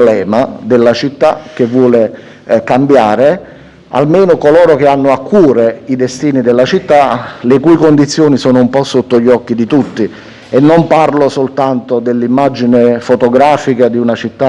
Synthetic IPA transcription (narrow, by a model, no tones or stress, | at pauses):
lɛːmad̪elːat͡ʃit̪ːak̟evːwɔːle | kambjaːɾe | a̰lmeːnʊkolɔːɾok̟eanːʊakːuːɾeid̪est̪iːnid̪elːat͡ʃit̪ːalekujkond̪it̪sːjoːnisɔːnʊumpɔsːot̪ːoʎːɔkːid̪it̪ut̪ːi | enːomparlosolt̪ant̪od̪elːimːad͡ʒinefot̪oɡɾaːfikad̪iunat͡ʃit̪ːa